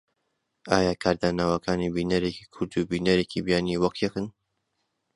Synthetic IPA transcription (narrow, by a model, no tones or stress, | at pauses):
ʔa̰ːjaːkʰaːɾd̪aːnaːwɐkʰaːnibinɐɾeci̥ːkʰʊɾd̪ubiːnɐɾeːcʰibjaːniwɐkjekɨn